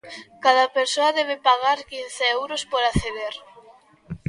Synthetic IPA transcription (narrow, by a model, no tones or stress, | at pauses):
kaðapeɾsoaðɛβ̞epaɣaɾkinθeɛwɾospoɾaθeðeɾ